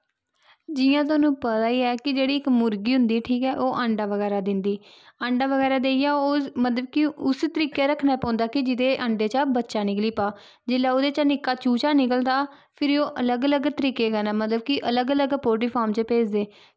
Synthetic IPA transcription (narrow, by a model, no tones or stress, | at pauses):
d͡ʒɪjãːt̪̬ʊaːnũːpət̪aːiːɛːkɪd͡ʒeːɽiːɪkmʊɾɡiːɦʊ̃nd̪iːʈʰiːkɛːʔoːʔəɳɖaːʋəɡɛːɾaːd̪ɪnd̪iː | əɳɖaːʋəɡɛːɾaːd̪eːijaːomət̪ləb̚kɪʊst̪əɾiːkeːɾəkʰnaɛːpãːnd̪aːkɪd͡ʒɪd̪eːʔəɳɖeːt͡ʃabətːʃaːnɪkliːpaː | d͡ʒɪlaːʊd̪eːt͡ʃanɪkːaːt͡ʃuːt͡ʃaːnɪkəld̪aː | pʰɪɾoːʔələɡələɡt̪əɾiːkeːkɛːnaːmət̪ləb̚kɪʔələɡələɡpoːʈ̬iːpʰaːɾmt͡ʃpeːd͡ʒd̪eː